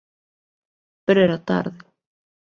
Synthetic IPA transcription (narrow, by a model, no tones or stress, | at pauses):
pʏɾɛɾat̪a̰ɾðɪ